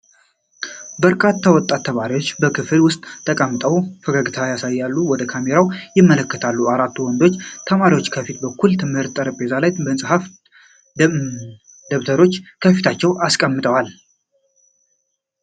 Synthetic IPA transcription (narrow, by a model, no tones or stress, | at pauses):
bəɾkʼat̪ʰːawɔt̪ʼːat̪ʰːəmaɾiwot͡ʃːbəkʰɨflwʊst̪ʼt̪ʰːəkʼəmːɨt̪ʼəwfəɡaɡɨt̪ʰajasajːalːuwɔd̪əkʰame̞ɾawjɪmːələkːət̪ʰalːuaɾat̪ʰːuwɔnd̪o̞t͡ʃːt̪ʰəmaɾiwo̞t͡ʃːkʰəfit̪̚bəkʰːult̪ʰɨmhɨɾt̪ʼːəɾəpʼe̞zalajbəɨnsʼɨhaf | d̪əβt̪ʰəɾo̞t͡ʃːkʰəfit̪ʰat͡ʃːɛwʔaskʼəmːɨt̪ʼəwal